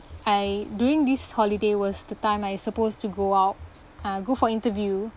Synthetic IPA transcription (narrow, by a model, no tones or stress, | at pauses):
ʔajdjuɹĩŋdishɔlidewɔsdətãɪ̃majsəpostuɡoaʊt̚ | aɡofɔĩntəvju